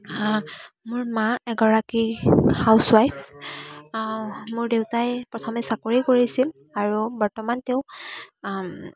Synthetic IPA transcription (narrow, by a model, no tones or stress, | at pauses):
a | mʊɹmaɛɡɔɹakihawswajp | mʊɹdewtajpɹɔtʰɔmɛsakoɹikoɹisil | aɹubɔɹtɔmanteʊ̃